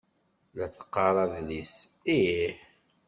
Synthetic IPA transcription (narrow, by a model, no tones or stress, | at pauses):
læθə̥qːɑɾˤɑðlisi